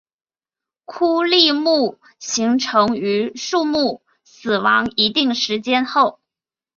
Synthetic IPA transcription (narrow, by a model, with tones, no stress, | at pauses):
kʰu˥li˥˧mu˥˩ | ɕi˧˥ŋʈ͡ʂʰɤ˧˥ŋy˧˥ʂu˥˧mu˥˩ | sɹ̩˨˩wɑ˧˥ŋi˧˥t̪i˥˩ŋʂɻ̩˧˥t͡ɕjɛ˥nxo˥˩ʊ